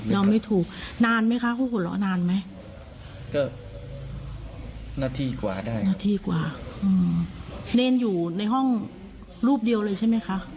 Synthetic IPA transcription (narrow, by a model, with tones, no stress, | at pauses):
ɾa˧wma˥˩jt̪ʰuː˨˩k̚naː˧nma˦˥jkʰa˦˥ʔpʰuː˥˩kʰo˧nlɔ̰˦˥naː˧nma˦˥j | kɔː˥˩ | naː˧˩t̪ʰiː˧kwa̰ː˨˩daː˥˩jnaː˥˩t̪ʰiː˧kwaː˨˩ʔɯː˧neː˧njuː˨˩na˧jɦɔ˥˩ŋ | ɾuː˥˩p̚di˧əwlɤː˧jt͡ɕʰa˥˩jma˦˥jkʰa˦˥ʔ